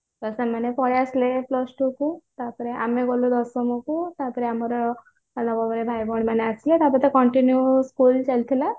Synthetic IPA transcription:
t̪ɔsemanepɔɽeasleplɔsʈukut̪apɔɾeʔa̰meɡɔlud̪ɔsɔmɔkut̪apɔɾeamɔɾɔ | lɔbɔbɔɾebʱajbɔɽmaneaslet̪apɔɾt̪ekɔɳʈinjuskult͡ʃalt̪ʰila

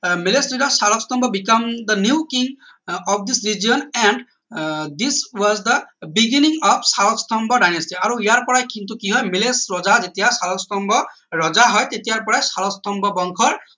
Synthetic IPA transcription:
milesidɔsaɹɔkst̪ɔmbɔbikamd̪ənjukiŋ | ɔp̚ʰd̪isɹid͡ʒijɔnɛnɖ | d̪iswɔzd̪əbiɡiniŋɔpʰsaɹɔkst̪ʰɔmbɔɖajnestiaɹuijaɹpɔɹajkint̪ukiɦɔjmelesɹɔzazetijasaɹɔkstɔmbɔ | ɹɔzaɦɔjt̪etijaɹpɔɹajsaɹɔst̪ɔmbɔbɔŋkʰɔɹ

